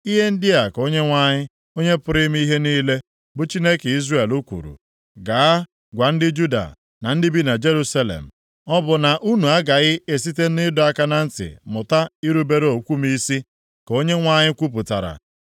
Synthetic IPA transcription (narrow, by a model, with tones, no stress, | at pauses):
i˦ɦe˦n̩˦dɪ˦a˨ko˦ɲe˦ŋʷa˦ɲɪ˦ | o˦ɲe˦pʊ˦ɾɪ˦m˦i˦ɦe˦niː˦le˦ | bʊ˨t͡ʃi˦ne˦ke˨i˦zre˦˨e˨lu˦kʷṵ˨ɾṵ˨ | ɡa˨a˦ | ɡʷa˨n̩˦dɪ˦d͡ʒu˦da̰˨ | na˨n̩˦dɪ˦bi˦na˨d͡ʒe˦ɾu˦sa˦lḛ˨m̩˨ | ɔ˦bʊ˨na˨ʔu˦nu˨a˦ɡa˨ɣɪ˦e˨s̬i˦te˦n˦ɪ˦dʊ˨˦a˦ka˦na˨n̩˦tɪ̰˨mʊ˨ta˦i˦ɾu˦be˦ɾe˦o˨kʷu˦m˦i˦si˦ | ko˦ɲe˦ŋʷa˦ɲɪ˦kʷu˦p̬ʊ˨ta˨ɾa̰˨